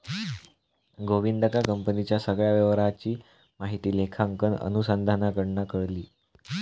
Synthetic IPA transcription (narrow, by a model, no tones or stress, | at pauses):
ɡoʋinɖ̪əkakəmpənit͡ɕjasəɡɭjaʋjəʋɾat͡ɕiː | maɦit̪iːlekʰaŋkənə̰nusand̪ʱanakəɽnakəɭliː